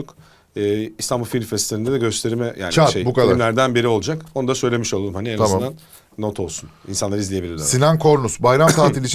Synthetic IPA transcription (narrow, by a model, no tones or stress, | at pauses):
uk | ɯːist̪ʰambulˠfilʲmfɛslʲeɾind̪ɛd̪ɛɟø̞st̪ʰe̞ɾimɛja̰ːnaʃejbukad̪mlʲæɾd̪ænbiɾio̞lˠud͡ʒakonud̪asøjlʲe̞miʃo̞lˠaumhanieand̪anː | o̞t̪ʰo̞lˠsunḭnsanˠaɾɯizlʲije̞bilʲiɾd̪sinankʰo̞ɾnusbajɾamt̪ʰaːt̪ilʲit͡ʃʰ